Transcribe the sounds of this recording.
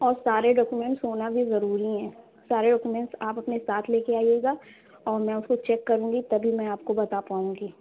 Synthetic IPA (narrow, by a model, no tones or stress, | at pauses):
ɔːɾsaːɾeɖɔːkumɛ̃ɳʈsoːnabʱizɐɾuːɾiɦɛ̃ː | saːɾeɖɔːkumɛ̃ɳʈsaːpɐpnesaːt̪ʰleːkeaːieːɡaː | ɔːɾmɛ̃ːʊskot͡ʃɛːkːɐɾũːŋɡit̪ɐbʱimɛ̃aːp̚kobɐt̪apaːũːŋɡiː